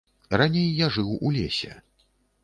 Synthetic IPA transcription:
ranʲejːaʐɨwulʲesʲɛ̰

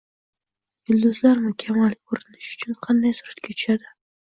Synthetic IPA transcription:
ɡʊld̪ʊzlaɾmɪkʲʰamalkʰɾɪnɪʃʊ̥t͡ʃʰʊnqʰɑnd̪ajsʊɾat̪kʲʰat̪ʰʊ̥ʃad̪ɪ

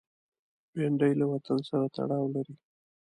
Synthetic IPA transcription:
beɳɖajlawat̪ansaɾat̪a̰ɽɑwlaɾi

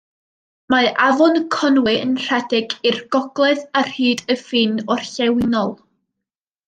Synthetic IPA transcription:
maʔavɔnkʰɔnwɨənr̥ɛdɪɡirɡ̥ɔɡlˠɛðar̥hɨːdəfɨnɔrɬɛwɪnɔlˠ

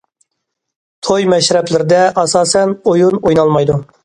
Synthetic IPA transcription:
t̪ʰojmɛʃɾɛplɪɾɪd̪ɛʔɑsɑːsɛnojunojnɑlˠmɑjd̪u

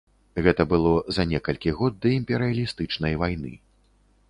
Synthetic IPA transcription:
ɣɛt̪ɐbɨlˠɔzɐnʲɛkɐlʲkʲiɣɔd̪̚d̪ːɐimpʲɛɾɨɐlʲist̪ɨt͡ʂnɐjvajn̪ɨ̰

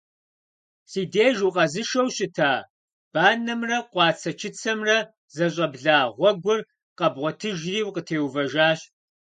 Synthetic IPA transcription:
siːdeːʒuqɐzɨʃɐwɕʼɪtʰaː | b̥aːnɐmrɐqʷɑːt͡sʰɐt͡ʃʰɪt͡sʰɐmrɐ | zɐɕ̬ʼɐbɮaːʁʷɔɡʷʊr | qɐbʁʷɔtʰɨʒriːwqətʰeːwvɐʒaːɕ

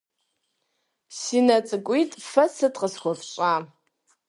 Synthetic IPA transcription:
sinɐt͡sʼɨkʷʼitʼfɐsɨtʰʼqəsχʷɔfɕʷʼaː

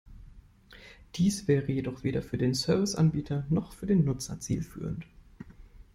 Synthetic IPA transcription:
d̥iːsv̥ɛːʁəjedɔχv̥eːɾɐfyːɐdeːnsœɐvɪsʔanbiːtʰɐnɔχfyːɐdeːnːʊt͡sɐ̰t͡sḭːlfy̰ːʁ̞ən̩t

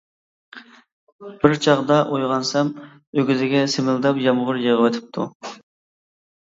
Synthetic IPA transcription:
b̥ɪɾt͡ʃʰɑʁd̪ɑʔojʁɑnsɛm | øɡʲyzɪɡʲɛsɪmɪld̪ɑpjɑmʁʊɾjeʁəwɛt̪ʰɪ̥p̚t̪ʰu

